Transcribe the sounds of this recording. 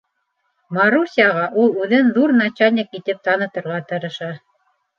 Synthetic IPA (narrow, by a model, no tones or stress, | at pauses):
mɑɾusʲiaʁɑʔulˠʉðɘnðuɾnat͡ɕalʲnʲɪkit̪ɘp̚t̪ɑnɤ̆t̪ɤ̆ɾʁɑt̪ɤ̆ɾɤ̆ʃɑ